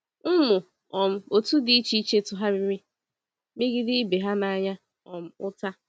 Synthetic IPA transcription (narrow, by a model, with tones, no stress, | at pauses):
m̩˦mʊ˨ | ɔ˨m̩˦o˨tu˦di˦t͡ʃi˦t͡ʃe˦tʊ˨ɦa˦ɾɪ˦ɾɪ˦ | mi˦ɡi˦dɪ˦be˨ɦa˦na˨˦ɲa˦ | ɔ˨m̩˦ʊ˦ta˦